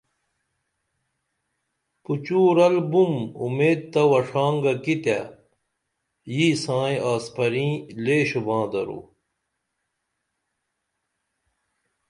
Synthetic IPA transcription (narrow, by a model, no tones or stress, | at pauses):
put͡ɕuːɾɐlbumṵmeːd̪̚t̪ɐwɐʂaːŋɡɐkit̪a̰ | jiːsãːẽʔaːspɐɾĩːleːɕubãːd̪ɐɾṵ